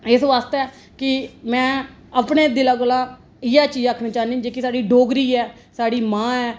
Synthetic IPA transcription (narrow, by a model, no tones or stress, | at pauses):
ɪsʋaːst̪eɛː | kɪmɛ̃ː | əpɳeːd̪ɪlaːɡolaː | ɪjaːt͡ʃiːd͡ʒaːkʰneːt͡ʃaːnd̪ĩd͡ʒeːkɪsaːɖiːɖoːɡɾiːɛː | saːɽiːmãːɛː